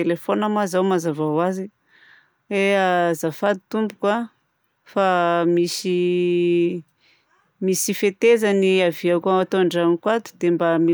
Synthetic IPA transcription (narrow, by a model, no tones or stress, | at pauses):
elefonamazawmazavawazi | eazafad̪it̪umbukwa | famisi | misifet̪ezaniaviakuaat̪oɳɖ͡ʐanikwat̪u̥d̪embami